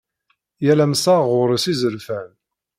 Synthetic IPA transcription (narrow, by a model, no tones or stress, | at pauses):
jælæmsɑʁʊɾsizəɾfæn